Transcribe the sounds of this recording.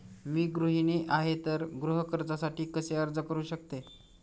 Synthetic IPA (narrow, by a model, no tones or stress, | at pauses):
miːɡɾuɦiniːʔaɦet̪əɾɡɾuɦəkəɾd͡zasaʈiːkəseəɾd͡zəkəɾuːɕək̚t̪e